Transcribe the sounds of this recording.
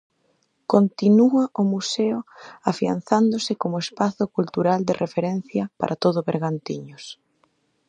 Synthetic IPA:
kont̪inuaʔʊmuseʊafia̰n̟θand̪osɪkomoespaθʊkult̪uɾald̪ɪrʔefeɾɛn̟θjɐpa̰ɾʔat̪oðʊβeɾɣant̪iɲʊs

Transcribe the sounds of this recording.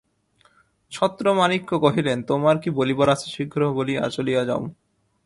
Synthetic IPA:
t͡ɕʰɔt̪ːɾomanikːokoɦilent̪omaɾkibolibɔɾat͡ɕʰeʃiɡʱɾobolia̰t͡ɕolijad͡ʑao

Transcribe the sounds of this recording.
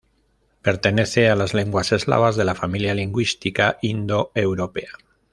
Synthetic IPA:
pe̞ɾt̪e̞ne̞θealazle̞ŋɡwase̞zla̰β̞azðe̞lafamiljaliŋɡwist̪ikaʔind̪o̞e̞wɾo̞pe̞a

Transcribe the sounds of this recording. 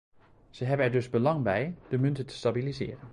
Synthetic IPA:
z̥əɦɛbənɛɹdɵzbəlɑŋbɛjd̥əmɵntətə̥stabilizɪ̰ːrən

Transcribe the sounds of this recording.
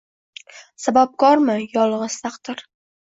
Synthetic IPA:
sabap̚kɒɾmɪjɒlˠʁɨst̪ʰaqt̪ɪɾ

